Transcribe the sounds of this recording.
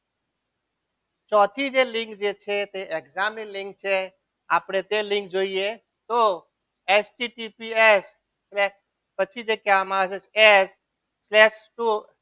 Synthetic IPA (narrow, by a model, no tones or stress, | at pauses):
t͡ʃɔt̪ʰid͡ʒelɪ̃ŋkd͡ʒet͡ʃʰet̪eʔeɡzamilɪ̃ŋk̚t͡ʃʰe | a̰pɽ̃et̪elɪ̃ŋk̚d͡ʒoːie | t̪o | esʈiʈipiesː | lɛ | pət͡ʃʰid͡ʒekamaset͡ʃʰɛs | slɛʃʈu